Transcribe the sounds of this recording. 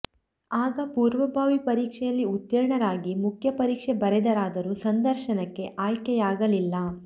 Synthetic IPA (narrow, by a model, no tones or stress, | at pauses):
aːɡɐpuːɾʋɐbʱaːʋipɐɾiːkʂɛjɐlːiut̪jɐɾɳɐɾaːɡimukʰjɐpɐɾiːkʂebɐɾɛd̪ɐɾaːd̪ɐɾusɐnd̪ɐɾʃɐnɐkːe̞ʔaːjkɛjaːɡɐlilːɐ